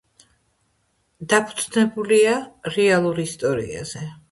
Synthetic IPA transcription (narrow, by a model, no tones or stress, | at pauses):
d̪apʰu̥dt̪znɛbuliaɾɛalˠuɾist̪ʼɔɾḭa̰z̥ɛ